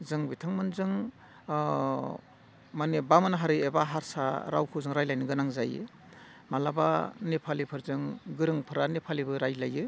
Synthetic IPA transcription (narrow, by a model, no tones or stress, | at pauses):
zɯŋbitʰaŋmɯnzɯŋ | manebamɯnɦaɾɯebaɦaɾsaɾa̰wkʰɯwzɯŋɾajlajnɯɡɯnaŋzajɯ̰ | malaba̰nepʰalipʰɯɾzɯŋɡɯɾɯŋpʰɯɾanepʰalibɯɾajlajɯ